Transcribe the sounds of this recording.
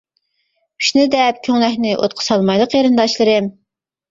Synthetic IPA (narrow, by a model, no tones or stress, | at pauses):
y̥ʃnɨd̪ɛp̚kʲʰøŋlɛhnɪʔo̰t̪̚qʰə̥sɑlˠmɑjlˠəqjeɾɨnd̪ɑʃlˠɨɾɨm